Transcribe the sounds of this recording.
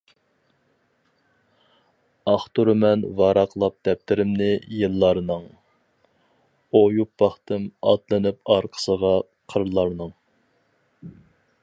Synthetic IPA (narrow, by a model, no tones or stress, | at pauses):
ɑχt̪uɾɨmɛnvɑːɾɑqlˠɑp̚d̪ɛp̚t̪ɪɾɪmnɪjɨlˠːɑɾnɨŋ | ojupːɑχt̪ɨmɑ̰t̪lˠɨnɨpɑɾqʰə̥səʁɑ | qʰəɾlˠɑɾnɨŋ